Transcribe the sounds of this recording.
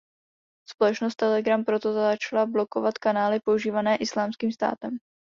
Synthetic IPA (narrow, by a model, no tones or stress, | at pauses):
spolɛt͡ʃnost̪ːɛlɛɡɾampɾo̞t̪o̞zat͡ʃalablo̞ko̞vat̪kanaːlɪpo̞uʒiːvanɛːʔɪslaːmskiːmst̪a̰ːt̪ɛm